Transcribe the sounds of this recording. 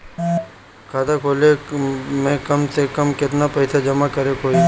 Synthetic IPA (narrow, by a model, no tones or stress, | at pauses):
kʰaːd̪akʰoːlemẽːkəmsekəmkɪt̪napəɪt̪ʰad͡ʒəmakəɾekʰoːi